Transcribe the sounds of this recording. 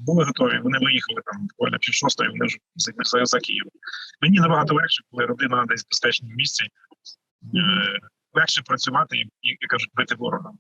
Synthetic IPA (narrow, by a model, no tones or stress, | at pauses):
bʊlˠɪɦɔt̪ɔʋʲiʋɔnɪʋɪjixɐlˠɪt̪ɑmd̪kɔ̰lʲnʲɐ̰pʲiwʃɔst̪ɔ̰jḭʋɔnɪʒzt̪ʲnɪxzɐjɛzɐkʲḭjɪʋɐmenʲinɐbɐɦɑt̪ɔlˠɛxʃɪkɔlˠɪɾɔd̪ɪnɐd̪ɛzʲzbespɛt͡ʃnʲɪmmʲisʲt͡sʲɛ | lˠɛxʃɛpɾɐt͡sʲʊʋɑt̪ɪikjkːaʒʊt̚ʲbɪt̪ɪʋɔɾɔɦ̪ɐm